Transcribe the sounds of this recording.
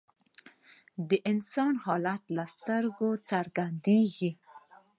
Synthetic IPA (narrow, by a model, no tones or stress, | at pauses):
d̪əʔɪnsɑnhɑlat̪last̪əɾɡot͡saɾɡand̪eɡi